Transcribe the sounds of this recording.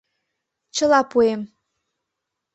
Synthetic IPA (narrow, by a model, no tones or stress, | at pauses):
t͡ɕə̆lɑpuem